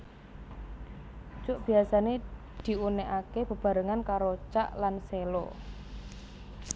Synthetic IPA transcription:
t͡ʃʊʔb̥i̤asane | d̪̥i̤uneʔakeb̥ə̤b̥a̤ɾəŋankaɾot͡ʃa̰ʔlanselo̰

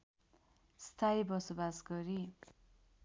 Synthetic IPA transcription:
st̪ʰajbʌsubasɡʌɾi

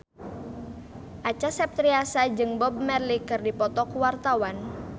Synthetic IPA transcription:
ʔat͡ʃasɛp̚t̪ɾiasad͡ʒɨŋbɔb̚mɛrlikɨrdipɔt̪ɔkuwart̪awan

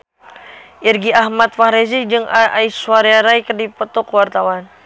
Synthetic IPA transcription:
ʔirɡiahmat̪faɾɛsid͡ʒɨŋaaiswaɾeaɾajkərdipət̪ɔkwart̪awan

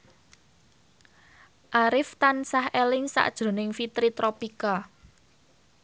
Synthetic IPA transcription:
ʔaɾɪft̪ansahʔelɪŋsa̰ʔd̥ʒ̥o̤nɪŋfit̪ɾit̪ɾopika

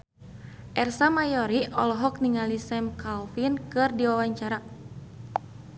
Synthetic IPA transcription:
ʔɛrsamajɔɾiɔlɔɦɔk̚niŋalisɛmkalfinkɨrdiwawaɲt͡ʃaɾa

